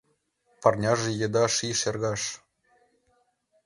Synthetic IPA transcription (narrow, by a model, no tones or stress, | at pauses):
pɑrnʲɑʒĕjĕd̪ɑʃiʃerɣɑʃ